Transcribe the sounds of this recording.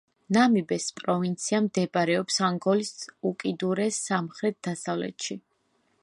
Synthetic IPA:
namibɛspʼɾɔvint̪sʰiamd̪ɛbaɾɛɔpsaŋɡɔlisukʼid̪uɾɛsːamχɾɛt̪̚d̪̥asavlɛ̰t̪ʃi

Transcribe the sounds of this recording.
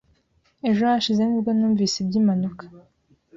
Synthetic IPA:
eʒohaʃizenibɡanuːɱviːsebɟiːmanukḁ

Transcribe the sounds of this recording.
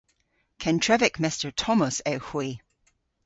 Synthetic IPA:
kʰɛ̃ntʰɹ̥ɛvɪkmɛstə˞tʰɔməsɛhwi

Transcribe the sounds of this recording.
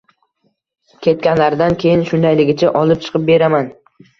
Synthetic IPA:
kʲʰe̞t̪̚kʲanlaɾd̪ankʲʰe̞jɪnʃʊnd̪ajlɪɡʲɪt͡ʃʰaʔɒlˠɪp̚t͡ʃʰɨ̥qʰɨp̚be̞ɾaman

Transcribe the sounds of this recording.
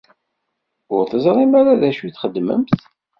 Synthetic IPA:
ʊɾθəzˤɾˤimæɾaðæʃuθχəd̪ːmə̰mθ

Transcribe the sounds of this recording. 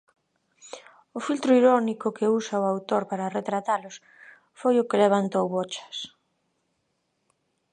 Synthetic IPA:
ʊfilt̪ɾʊiɾɔnikʊkeusaʊawt̪oɾpaɾɐret̪ɾat̪alʊs | fojʊkɪleβant̪owβot͡ʃɐ̥s

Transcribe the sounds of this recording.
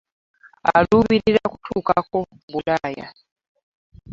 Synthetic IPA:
aluːβiɾiɾakutʰuːkako̞ | βulaːja̰

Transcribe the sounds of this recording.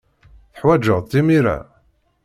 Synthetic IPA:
θəħwæd͡ʒəʁˤt̪ːimiɾæ̰

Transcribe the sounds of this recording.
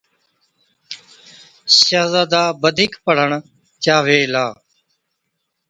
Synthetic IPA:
saːzaːd̪aːbəd̪ʱiːkpəɽ̤əɳ | t͡ʃaːʋeːlaː

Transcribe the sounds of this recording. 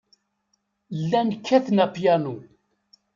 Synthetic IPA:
lːænkʰːæθnæpjænu

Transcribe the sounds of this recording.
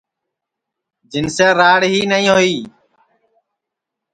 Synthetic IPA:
d͡ʒɪnseːɾaːɽɦiːnəĩːɦoːiː

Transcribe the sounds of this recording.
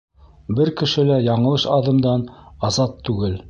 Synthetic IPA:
bɘɾkɘ̆ʃɘ̆læjɑɴɤ̆lˠɤʃɑðɤ̆md̪ɑnɑzɑt̪ːʉɡɘl

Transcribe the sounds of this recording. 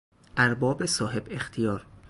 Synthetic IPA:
ʔæɾbɒːbesɒːɦe̞bext̪ʰijɒːɾ

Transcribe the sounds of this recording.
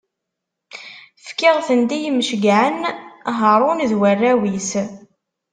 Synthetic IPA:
fkɪʁθənd̪ijməʃɡʕənɦəɾˤʊnðwərːæwis

